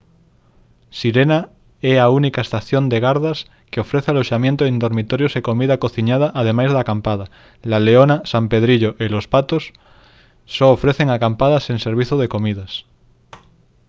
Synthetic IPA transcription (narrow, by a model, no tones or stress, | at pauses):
siɾena | ɛaunikaest̪aθjond̪eɣ̞aɾðas | keofɾeθealoʃamjent̪oẽnd̪oɾmit̪oɾjosekomiðakoθiɲað̞aʔaðemajzðakampað̞a | laleonasampeð̞ɾiʎoʔelospat̪osː | oofɾeθeŋakampaðaseŋseɾβ̞iθoð̞ekomiðas